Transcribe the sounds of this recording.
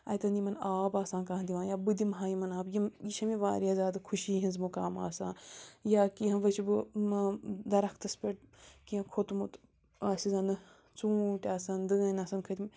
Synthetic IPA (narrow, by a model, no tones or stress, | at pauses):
ɐ̰jt̪ɐnimɐnaːbaːsãːnkaɦɐnd̪iʋãːjaːbɨd̪imɦaːjimɐnaːbjimjiʃʰɐmiʋaːɾjaːzʲaːd̪ɐkʰuʃiːɦinzmukaːma̰ːsãːjaːkiɐ̃ʋɐt͡ʃʰbɨ | d̪ɐɾɐkt̪ɐspʲeʈ̚kiɐ̃kʰot̪mut̪ | aːsizɐnɨ | t͡suːʈʲaːsaːnd̪ɨːnɐsɐnkʰɐt̪ʲim